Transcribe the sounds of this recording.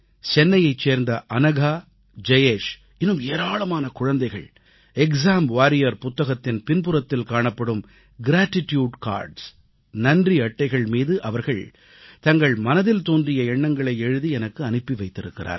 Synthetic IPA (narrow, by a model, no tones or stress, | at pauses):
t͡ʃɛnːɐjɐɪt͡ʃːeːɾnd̪ɐʔɐnɐɣaː | d͡ʒɐjeːʂ | ɪnːɯmeːɾaːɭɐmaːnɐkʊɻɐnd̪ɐɪɣɐ̰ɭ | ɛksaːmʋaːɾɪjɐɾpʊt̪ːɐɣɐt̪ːɪnpɪnpʊɾɐt̪ːɪlkaːɳɐpːɐɽɯm | ɡɪɾaːʈːɪtjuːɖka̰ːɾɖs | nɐndriɐʈːɐɪɣɐɭmiːðɯʔɐʋɐɾɣɐɭ | t̪ɐŋɡɐɭmɐnɐðɪlt̪oːndrɪjɐɛɳːɐŋɡɐɭɐɪɛɻɯðiɛnɐkːɯɐnɯpːiʋɐɪt̪ːɪɾɯkːɪra̰ːɾ